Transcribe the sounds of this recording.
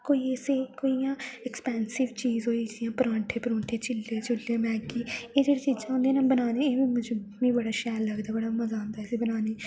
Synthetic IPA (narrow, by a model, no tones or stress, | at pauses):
koːiːeseːkoːijãːɛkspɛːnsɪʋt͡ʃiːzɦoːiːjãːpɾãːɳʈʰeːpəɾõːɳʈʰeːt͡ʃɪlːeːt͡ʃʊlːeːmɛːkiːeːd͡ʒeːɽeːt͡ʃiːzãːʊ̃nd̪eːnãːbənaːneːeːĩmʊd͡ʒmĩːbəɽaːʃɛːlːəɡd̪aːbəɽaːməzaːʊ̃nd̪aːeseːbənaːneː